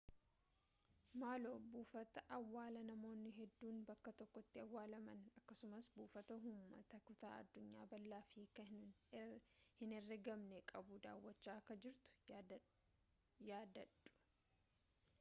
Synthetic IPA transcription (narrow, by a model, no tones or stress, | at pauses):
maːlo̞ːbuːfɐt̪ɐʔɐwːaːlɐnɐmo̞ːnːɪɦɛd̪ːuːnbɐkːɐt̪ɔkːɔt̪ːɪɐwːaːlɐmɐnɐkːɐsʊmɐsbuːfɐt̪ɐɦʊmːɐ̰t̪ɐkʊt̪a̰ːɐ̰d̪ːʊɲːaːbɐlːaːfiːkɐ | hɪnɛrːɡɐmnɛkʼɐbʊd̪a̰ːwːɐt͡ʃːaːkːɐd͡ʒɪɾt̪ʊ̥ | jaːd̪ɐᶑʊ̥